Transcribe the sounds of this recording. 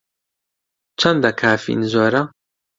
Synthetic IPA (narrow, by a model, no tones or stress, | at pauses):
t͡ʃʰɐnd̪ɐkʰaːfḭnzoːɾɐ